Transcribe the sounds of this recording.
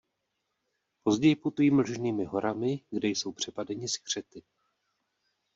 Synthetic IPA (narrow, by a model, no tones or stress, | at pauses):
po̞zɟɛjɪput̪ujiːml̩ʒniːmɪɦo̞ɾʔamɪɡdɛjso̞wpr̝̥ɛpadɛɲɪskr̝̥ɛt̪ɪ